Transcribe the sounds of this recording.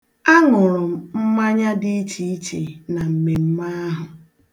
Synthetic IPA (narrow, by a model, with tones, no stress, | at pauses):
a˦ŋʊ˨ɾʊ˨m̩˦m̩˦ma˦ɲa˦dɪ˦i˦t͡ʃi˦i˦t͡ʃi˨na˨m̩˨me˨m̩˦ma˦ɦʊ˨